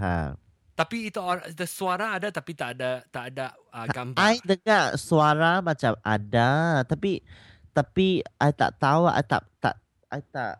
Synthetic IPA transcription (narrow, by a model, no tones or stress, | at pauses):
ɦa̰ | t̪apiːt̪uadəsuaɾaːdat̪apit̪aʔdat̪aʔada | əɡambajdəŋãʔsuaɾamãt͡ʃama̰dat̪api | t̪apiʔajt̪a̰ʔt̪aua̰jt̪a̰ʔt̪a̰ʔ | ʔa̰jt̪a̰ʔ